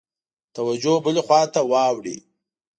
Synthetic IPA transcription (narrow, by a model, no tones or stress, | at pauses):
t̪awad͡ʒobəlexwɑt̪awɑwɽḭ